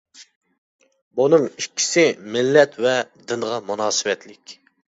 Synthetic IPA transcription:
bunɨŋikʲːi̥sɪmɪlːɛt̪vɛd̪ɪnʁɑmunɑːsɨwɛt̪lɪkʲ

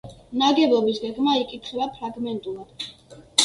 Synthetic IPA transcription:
naɡɛblˠɔbisɡɛɡmaikʼit̪ʰχɛbapʰɾaɡmɛnt̪ʼulˠad̪̥

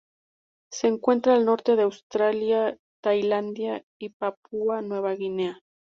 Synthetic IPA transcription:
se̞ːŋkwe̞nt̪ɾaːlno̞ɾt̪e̞ðeawst̪ɾalja | t̪ajland̪ja | ipapuanwe̞β̞aɣine̞a

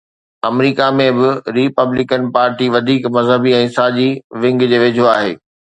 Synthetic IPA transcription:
ɐmɾiːkamẽbɪɾipəblɪkənpaːɾʈiʋɐd̪ʱiːkmɐzɦəbiɛ̃ːsaːʄiʋɪ̃ŋɡd͡ʑeːʋɪd͡ʑʱoaːɦḛː

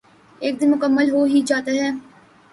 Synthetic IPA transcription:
eːk̚d̪ɪnmʊkəmːəlɦoːɦid͡ʒaːt̪aɦɛː

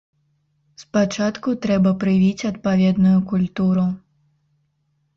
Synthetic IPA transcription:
spat͡ʂat̪kut̪ɾɛbɐpɾɨvʲit͡sʲɐt̪̚pavʲɛd̪nujukulʲt̪uɾu

